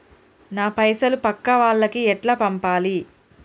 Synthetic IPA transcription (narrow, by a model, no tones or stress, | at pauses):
naːpɐjsɐlupɐkːɐʋaːɭːɐkiɛʈlɐpɐmpaːli